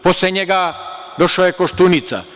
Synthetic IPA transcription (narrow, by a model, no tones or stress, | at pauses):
posleɲeɡad̪o̞ʃaːjekoʃt̪unit̪sa̰